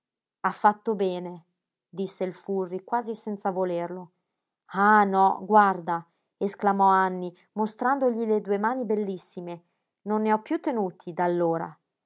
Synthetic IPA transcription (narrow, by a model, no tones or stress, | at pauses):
afːat̪ːobɛːne | d̪isːeilfurːikwaːzisɛnt̪savolerlo | anɔ̰ɡward̪a | esklamɔanːi | most̪ɾand̪oʎiled̪uemaːnibelːisːime | nonːeɔpːjut̪ːenuːt̪ʰid̪alːoːɾa̰